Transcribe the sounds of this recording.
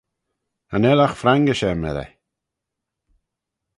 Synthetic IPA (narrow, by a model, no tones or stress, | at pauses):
anɛlaxfɾaŋɡəʃɛmɛ̰ɾɛ̰